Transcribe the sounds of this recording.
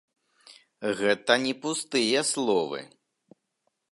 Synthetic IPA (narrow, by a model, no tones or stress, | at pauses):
ɣɛt̪ɐnʲɛpust̪ɨjɐslˠɔvɨ̰